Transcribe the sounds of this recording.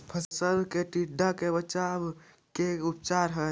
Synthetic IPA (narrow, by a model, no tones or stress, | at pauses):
pʰəsəlkeʈiɖʱːakebət͡ʃab | keʊp̚t͡ʃaːɾɦɛ